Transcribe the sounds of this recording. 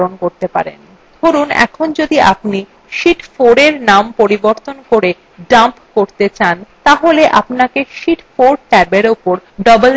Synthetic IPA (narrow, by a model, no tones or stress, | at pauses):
onkoɾt̪epa̰ɾḛn | d̪ʰʱoɾunɛ̰kʰond͡ʑod̪iʔa̰pni | ʃiʈfoɾeɾnampoɾiboɾt̪onkoɾe | ɖampkoɾt̪et͡ɕant̪aɦoleʔapnakeʃiʈfoɾʈɛbeɾopoɾɖɔbel